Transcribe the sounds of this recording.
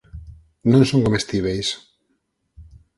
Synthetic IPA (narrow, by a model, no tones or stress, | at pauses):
nõnsõŋkomest̪iβejs